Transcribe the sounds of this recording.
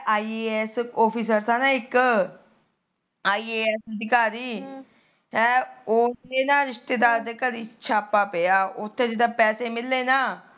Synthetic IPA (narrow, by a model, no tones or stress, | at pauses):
ʔaːiːeːɛsɔːpʰiːs̬əɾt̪ʰaːnaːɪk | aːiːeːɛːsəd̪ɪkaːɾiː | ɛːoːeːnaːɾɪʃt̪eːd̪aːɾd̪eːkəɾiːt͡ʃʰaːpːaːpejaːʔʊt̪ʰːẽːd͡ʒɪd̪aːpɛːseːmɪlːeːnaː